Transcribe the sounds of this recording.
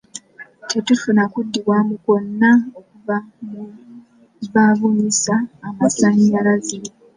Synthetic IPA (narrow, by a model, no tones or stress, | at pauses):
tʰe̞tufunakudːiβwamuko̞nːaokuvamu | βaβuɲisaːmasaɲːalaziɾi